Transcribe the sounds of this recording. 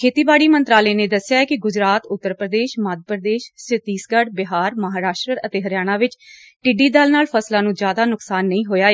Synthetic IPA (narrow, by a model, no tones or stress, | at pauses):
kʰeːt̪iːbaːɽiːmənt̪ɾaːleːnẽːd̪əsɪjaːɛːkɪɡʊd͡ʒɾaːt̪ʊt̪ːəɾpɾəd̪eːʃmaːd̪ʱpɾəd̪eːʃsɪt̪iːsɡəɖbɪɦaːɾməɦaːɾaːʃʈɾəət̪eːɦəɾjaːɽ̃aːʋɪt͡ʃ | ʈiːɖiːd̪aːlnaːlpʰəslãːnũːd͡ʒjaːd̪aːnʊksaːnːəĩːɦoːjaːeː